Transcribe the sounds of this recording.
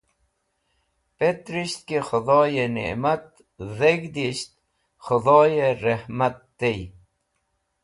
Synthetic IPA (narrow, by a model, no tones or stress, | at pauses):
pet̪ɾiɕt̪̚kexʊd̪ɔːjenḛmat̪̚ | zeɡd̪iɕt̪ | xʊd̪ɔːjeɾehmat̪ːej